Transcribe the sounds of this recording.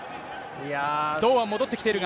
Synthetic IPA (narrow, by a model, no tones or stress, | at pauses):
ad̪o̞ːβamo̞d̪o̞t̪ːekʲi̥t̪e̞ɾɯ̟ɡa